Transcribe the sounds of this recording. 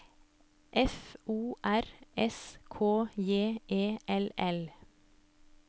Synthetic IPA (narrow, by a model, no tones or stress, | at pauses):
ʔɛfuːʔæɾʔɛskʰoːjeːʔeːʔɛlɛl